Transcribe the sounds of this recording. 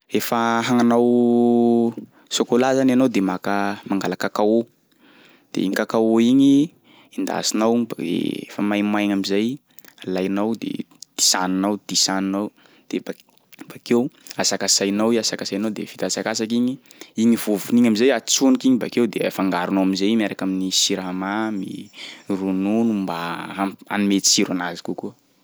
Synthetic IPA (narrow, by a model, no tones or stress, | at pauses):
efəɦaŋanaw | sokolazananawd̪emakəmaŋɡalakakao | d̪̥ḛiɲikakaoiɲi | ind̪a̰sinawbaḛḛfəmajmajɲamizaj | alajnawd̪ḛ | d̪̥i̥saninawd̪̥isaninaw | d̪̥eba | b̥akewasakasajnawasakasajnawd̪ḛfit̪at͡sakasakiɲiiɲiv̥ovuniɲamizajat͡sunkiɲibakewd̪eafaŋɡaɾunowamizejmaɾakaminisiɾamamḭrununumbaa̰mimet̪i̥siɾanazi̥kukuə